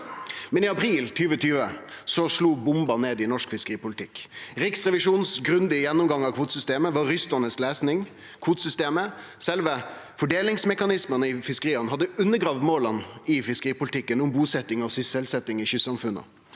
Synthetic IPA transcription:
mɛnɪɑpʰɾiːlt̪ʰyːʋət̪ʰyːʋəsɔʂluːbʊmbɑneːd̪ɪnɔʂkfɪskəʁiːpʊlət̪ʰɪkːɾɪksʁɛʋɪʂuːnsɡɾʉnd̪ɪjɛnːʊmɡɑŋɑkʰʋuːt̪əsʏst̪eːməʋɑɾʏst̪ənəsleːsnɪŋ | kʰʋuːt̪sʏst̪eːmə | sɛlʋə | fɔɖeːlɪŋsmɛkɑnɪsmənəɪfɪskəʁiːənhɑd̪ːəʉnːəɡɾɑːʋmoːlənɪfɪskəɾiːpʊlɪt̪ʰɪkːənʊmbuːsɛt̪ːɪŋɑʋsʏsɛlsɛt̪ːɪŋɪçʏssɑmfʉnːə̰

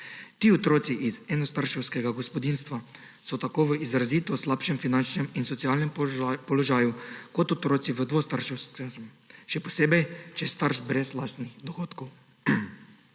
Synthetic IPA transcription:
t̪iːɔt̪ɾoːt̪siʔizɛnɔst̪aɾʃɛwskɛɡaɡɔspɔd̪iːnst̪ʋa | sɔt̪akoːʋəizɾaziːt̪ɔslaːpʃɛmfinant͡ʃnɛminsɔt̪siaːlnɛmpɔlɔʒaːjukɔt̪ɔt̪ɾoːt̪siʋəd̪ʋost̪aɾʃɛwsk | ʃɛpɔseːbɛjt͡ʃɛst̪aɾʒbɾɛzlaːst̪nixd̪ɔxoːt̪kɔw

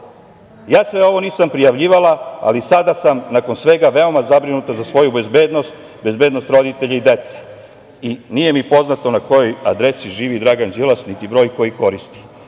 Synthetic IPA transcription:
jaːsʋe̞o̞ʋo̞niːsampɾijaʋʎiːʋalaa̰lisad̪asamnako̞nsʋe̞ɡaʋe̞o̞mazabɾinut̪azasʋo̞jube̞zbe̞ːd̪no̞st̪ | be̞zbed̪no̞st̪ɾo̞d̪it̪e̞ʎaid̪e̞t̪sḁ | inije̞mipo̞znat̪o̞nako̞jo̞jad̪ɾe̞siʒiːʋid̪ɾaɡand͡ʒelasnit̪ibɾo̞ːjko̞jiko̞ɾist̪i̥

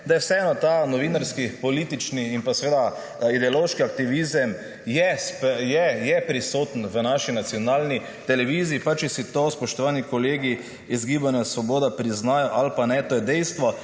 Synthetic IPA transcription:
d̪ajɛwsɛɛnɔt̪anɔʋinaɾskipɔliːt̪it͡ʃniːmpasɛʋeːd̪a | id̪ɛoloːʃkiak̚t̪iʋizəm | jɛspjɛjɛpɾisoːt̪ənʋənaʃinat̪sijɔnaːlni | t̪ɛlɛʋiːziːpat͡ʃisit̪ospɔʃt̪ɔʋaːnikoleːɡi | izɡiːbanjasʋɔboːd̪apɾiznaːjɔʔalpanɛt̪ojɛd̪ɛjst̪ʋɔ

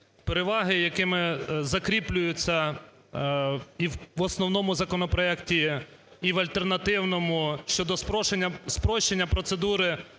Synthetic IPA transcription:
peɾeʋɑɦɪjɐkɪmɪzɐkɾʲiplʲʊjʊt͡sʲːɐ | iwɔsnɔwn̪ɔmʊzɐkɔnɔpɾɔɛktʲiː | ʋɐlʲt̪ernɐt̪ɪwnɔmʊʃt͡ʃɔd̪ɔspɔʃenʲːɐspɾɔʃt͡ʃenʲːɐpɾɔt̪sed̪uɾɪ

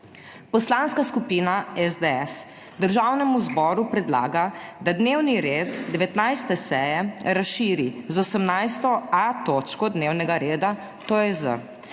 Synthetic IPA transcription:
pɔslaːnskaskupiːnaɛzd̪eɛs | d̪əɾʒaːwnɛmuzbɔːɾupɾɛd̪la̰ːɡad̪ad̪newniɾeːt̪d̪ɛʋɛt̪najst̪ɛsɛjɛɾasʃiːɾizɔsəmnajst̪ɔat̪oːt͡ʃkɔd̪newnɛɡaɾeːd̪a | t̪oːjɛzə̰

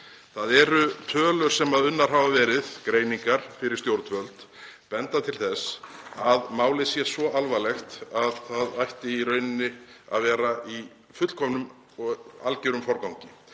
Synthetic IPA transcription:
θaðɛɾʏt̪ʰœːlʏɾ̥sɛmaðʏnːaɾ̥ɦavavɛːɾɪðkɾeːjniŋkaɾ̥fɪɾɪɾ̥st̪jowɾt̪vœlt̪ | pɛnt̪at̪ʰɪlθɛsaðmaːwlɪsjɛsvɔʔalvalɛxt̪aðθaðajht̪ɪiɾœːɥnɪnːɪa̰ðvɛːɾaʔi | fʏt̪l̥kʰɔmnʏm | ɔa̰lcɪɾʏmfɔɾkawŋɲcɪ

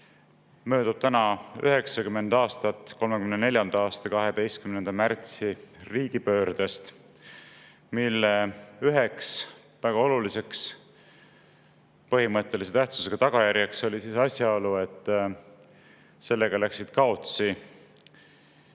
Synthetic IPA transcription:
mø̞ːd̪̥ub̥t̪ænɑy̰ɦe̞ksɑkyme̞nd̪ɑːst̪ɑt̪ːˑko̞lmekymnene̞ljɑnd̪̥ɑɑːst̪ɑkɑɦe̞d̪̥e̞jst̪̚kymnend̪ɑmært̪siriːɡ̥ipø̞ːɾd̪̥e̞st̪ | milːeyɦeks | væɡ̥ɑo̞lulise̞ks | pɤɦimɤt̪ːˑe̞lise̞t̪æht̪su̥se̞ɡ̥ɑt̪ɑɡ̥ɑjæɾjɑkso̞lʲisisɑsʲjɑo̞lue̞t̪ːˑ | se̞lːe̞ɡ̥ɑlæksid̪̥kɑo̞t̪si

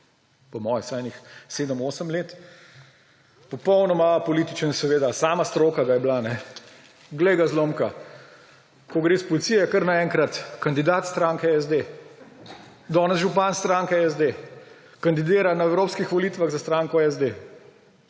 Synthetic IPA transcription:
pɔmɔːjɛsajnixseːd̪əmoːsəmleːt̪ | pɔpɔwnɔmapɔliːt̪it͡ʃənsɛʋeːd̪asaːmast̪ɾokaɡajɛblanɛ | ɡlejɡazloːmka | kɔɡɾeːspɔlit̪sijɛkəɾnaɛːŋkɾat̪kand̪id̪aːt̪st̪ɾaːŋkɛɛzd̪e | d̪ɔːnɛzʒupanst̪ɾaːŋkɛɛzd̪e | kand̪id̪eːɾanaɛwɾoːpskixʋɔliːt̪ʋaɣzast̪ɾaːŋkɔɛzd̪e

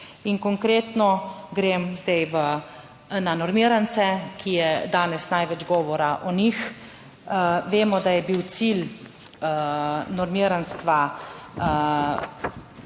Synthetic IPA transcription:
inkɔŋkɾeːt̪nɔɡɾeːmzd̪ɛjʋə | nanɔɾmiːɾant̪sɛkijɛd̪aːnɛsnajʋɛd͡ʒɡɔːʋɔɾaʔɔnix | ʋeːmɔd̪ajɛbiwt̪sil | nɔɾmiːɾanst̪ʋa

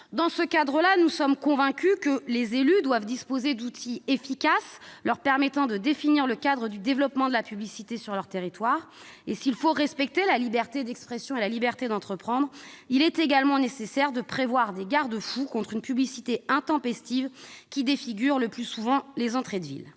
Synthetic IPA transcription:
d̪ɑ̃səkad̪ʁəlanusɔmkɔ̃vɛ̃kʲykəlezelyd̪wavd̪ispozed̪ut̪ʰiefikaslœʁpɛʁmɛt̪ɑ̃d̪əd̪efiniʁləkad̪ʁəd̪yd̪evlɔpmɑ̃d̪əlapyblisit̪esyʁlœʁt̪eʁit̪waːʁ | esilfoʁɛspɛk̚t̪elalibɛʁt̪ed̪ɛkspχesjɔ̃elalibɛʁt̪ed̪ɑ̃t̪χəpχɑ̃d̪ʁilɛt̪eɡalmɑ̃nesesɛʁd̪əpχevwaʁd̪eɡaʁd̪əfukɔ̃t̪χynpyblisit̪eɛ̃t̪ɑ̃pɛst̪ivkʲid̪efiɡʲyʁləplysuvɑ̃lezɑ̃t̪χed̪vḭl

